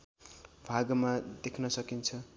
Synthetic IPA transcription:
bʱaɡʌmad̪ekʰnʌsʌkint͡sʰʌ

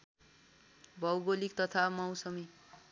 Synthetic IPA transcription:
bʱʌwbolik̚t̪ʌt̪ʰamʌwsʌmi

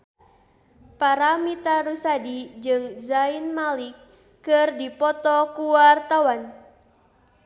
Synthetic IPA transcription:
paɾamit̪aɾusadid͡ʒɨŋzainmalikː | ɨrdipɔt̪ɔkuwart̪awan

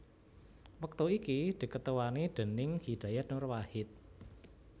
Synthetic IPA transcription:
wək̚t̪uikid̪̥i̤kət̪əwaniɖ̪̥ə̤nɪŋhid̥a̤jat̪nʊrwahɪt̪̚

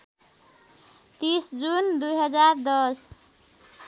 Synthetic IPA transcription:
t̪isd͡zund̪ujɦʌd͡zaɾd̪ʌs

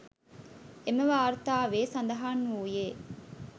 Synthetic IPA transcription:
emeʋaːɾt̪aːʋeːsɐnd̪ɐɦaːnːuːjeː

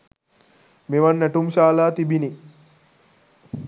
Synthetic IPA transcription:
meʋanːæʈumʃaːlaːt̪ibini

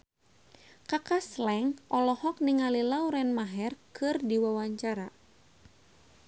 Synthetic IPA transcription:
kakaslɛŋʔɔlɔhɔk̚niŋalilawɾɛnmaɦɛrkɨrdiwawaɲt͡ʃaɾa

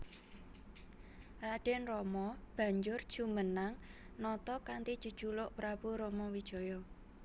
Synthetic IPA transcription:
raɖ̥ɛnrɔmɔb̥ä̤ɲd͡ʒʊr̥ʒ̥ṳmənaŋnɔt̪ɔkant̪id̥ʒ̥ṳd̥ʒ̥ulʊʔpɾab̥uɾɔmɔwid̥ʒ̥ɔ̤jɔ

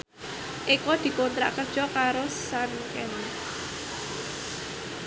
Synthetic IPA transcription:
ʔekɔd̪̥i̤kont̪ɾa̰ʔkərd̥ʒ̥ɔ̤kaɾosaŋkɛn

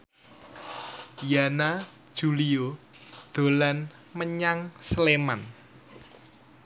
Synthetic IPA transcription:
janḁ | ʒ̥ṳliod̪̥o̤lan | məɲaŋsleman

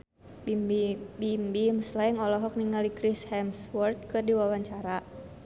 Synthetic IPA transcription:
bibimbimslaɪŋɔlɔɦɔk̚niŋalikɾishɛmswɔrt̪̚kɨrdiwawaɲt͡ʃaɾa

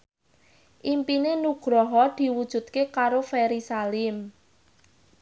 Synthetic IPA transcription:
ʔimpinenuɡ̥ɾɔɦɔd̪̥i̤wud̥ʒ̥ṳt̪̚kekaɾofɛɾisalɪm

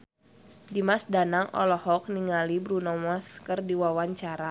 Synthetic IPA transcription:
dimasdanaŋɔ̰lɔhɔk̚niŋalibɾunɔmaskɨrdiwawaɲt͡ʃaɾa

